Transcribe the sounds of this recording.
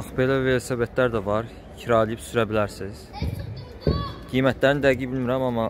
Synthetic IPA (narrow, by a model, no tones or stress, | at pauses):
ɑxbe̞lævelæsæbæt̪ʰlæɾd̪ævɑɾ | cʰiɾɑːlijipsyɾæbilæɾsiz̥ | ɡ̥ijmæt̪ʰlæɾinid̪æɡibilmiɾæmɑmɑ